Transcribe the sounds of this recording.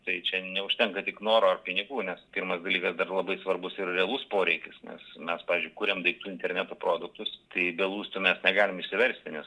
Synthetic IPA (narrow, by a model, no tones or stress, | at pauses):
t̪ɐɪt͡ʃʲɛnʲɛʊʃʲt̪ʲɛŋkɐt̪ʲɪknoːɾoːɐrpʲɪnʲɪɡuːnʲɛspʲirmɐsd̪ɐlʲiːkɐsd̪ɐrlˠɐbɐɪsʋɐrbʊsɪrrʲɛɐlˠʊspoːɾʲɛɪkʲɪsnʲɛ̰smʲɛspɑːʋʲɪzʲd͡ʒʲʊɪkuːɾʲemd̪ɐɪk̚t̪uːɪnʲt̪ʲɛrʲnʲæt̪oːpɾoːd̪ʊkt̪ʊst̪ɐɪbʲɛlˠuːst̪ʊmʲɛsnʲɛɡɑːlʲɪmɪʃʲsʲɪʋʲɛɾʲsʲt̪ʲɪnʲɛs